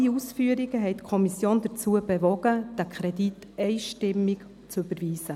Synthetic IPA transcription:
iusfyəɾiɡ̥əɦɛɪtkʰɔmisjoːnd̥̪ət͡suːəbɛvɔɡ̥əd̥ækʰɾɛdit | ɛɪʃtɪmːik | t͡syb̥əɾviːsə

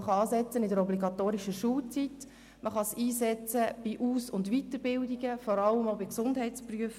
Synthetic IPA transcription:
χɑɑːsɛt͡sənɪdəɾɔbliɡɑt̪oːɾiʃəʃuːlt͡sit | mʔəχɑsiːsɛt͡səb̥iʔuːsʊndvitəɾbɪldiɡəfɔɾɑlːəmoʊbiksʊndɦɛɪtt͡spryəf

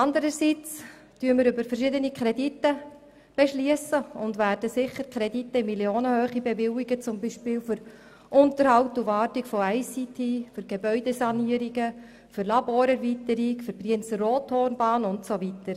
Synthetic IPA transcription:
ɑnd̪əɾəsit͡styəməɾʏbəɾfəɾʃɪdənikʰχɾɛditːə | b̥eʃliəsəʊndvæːɾd̥əsɪχəɾkʰɾɛditːəɪmiljoːnəhøːχibevɪwiɡət͡sʊmbiːʃpɪːlfʏɾ | ʔʊntəɾhɑʊtuvɑːɾtikfɔɛɪsitʰiːfʏɾɡ̥ebœʏdesɑniːəɾiɡə | fʏɾlɑboːɾɛɾvitəɾikfɨɾbriənsəroːthoːrnbɑːnʊntsovitəɾ

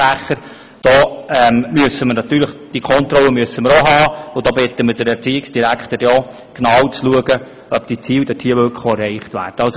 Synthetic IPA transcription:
æχəɾ | d̥ɔːɛmmyəsəməɾnɑt̪ːyːləχd̥iəkʰɔnt̪rɔlːəmyəsːəməɾoɦɑːʊd̥ɔːbɪt̪əməd̥əɾɛɾt͡siːɪksd̥iɾækχtəɾjɔ | ɡ̥nɑːwt͡sluəɡə | œp̚d̥it͡siːld̥ɛtʰiəʋøkχoɛrːɛɪχtvæ̰ːrd̥əɑls

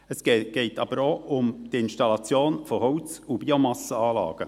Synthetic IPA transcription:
əsɡ̥ɡ̥ɛɪtʰɑbəɾoʊmd̥iɪnʃtɑlɑt͡sjoːnfohɔwt͡subiomɑsəɑːlɑ̰ːɡ̥ə

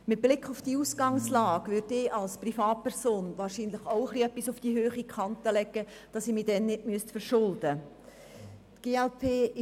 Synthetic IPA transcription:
mɪt̚b̥lɪkχʊfd̥iuːsɡ̥ɑŋslɑːɡ̥ʋʏɾdɪːʔɑlsprifɑːt̚pʰɛʁsoːnʋɑːɾʃiːnləχoʊəχliœpːisʊfd̥ihøːχikʰχɑntəlɛɡə | d̥ɑsiːmiːdɛnːɪdmyəstfəɾʃʊldə | tɡ̥eːɛlpʰeː

